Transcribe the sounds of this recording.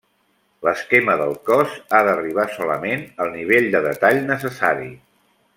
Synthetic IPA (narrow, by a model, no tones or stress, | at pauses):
ləskɛməðəlˠkɔzaðəriβ̞asɔləmenəlˠniβ̞eʎd̪əðət̪aʎnəs̬əsaɾḭ